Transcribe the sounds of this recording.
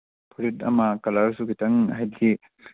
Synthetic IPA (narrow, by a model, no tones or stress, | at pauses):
pʰɾitɐ̰mɐkɐlaɾsukʰitɐŋhajdi